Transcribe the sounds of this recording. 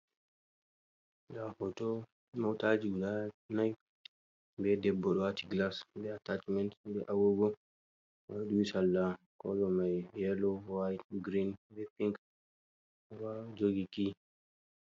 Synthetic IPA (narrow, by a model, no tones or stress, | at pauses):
ɡahɔtɔ | mawtad͡ʒiɡlanaj | bɛdɛbːɔɗɔwatiɡlasbɛatat͡ʃmɛntbɛʔawoɡɔ | waɗumisalːa | kɔ̰ɗɔmajhɛlɔwajt̚ɡɾinbɛfiŋk | wad͡ʒoɡiki